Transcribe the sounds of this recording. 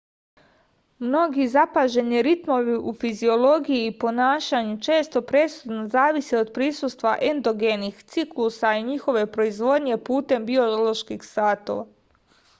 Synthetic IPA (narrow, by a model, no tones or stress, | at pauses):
mno̞ɡizapaʒe̞niɾit̪mo̞ʋiʔufizio̞lo̞ɡijiːpo̞naːʃaɲut͡ʃe̞ːst̪o̞pɾe̞sud̪nozaːʋisio̞d̪̚pɾisust̪ʋaʔend̪o̞ɡenixt̪siklˠusaiɲixo̞ʋe̞pɾo̞izʋo̞d̪ɲe̞puːt̪e̞mbio̞lo̞ʃkixsaːt̪o̞̰ʋa